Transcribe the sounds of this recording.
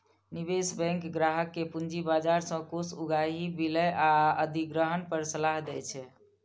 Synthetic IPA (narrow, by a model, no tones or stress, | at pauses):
nibesbɛ̃ŋkɡɾaɦəkːepund͡ʒibad͡ʒaɾsə̃kosuɡaɦibiləʔaəd̪ʱiɡɾəɦənpəɾsəlaɦd̪ɛt͡ʃʰɛ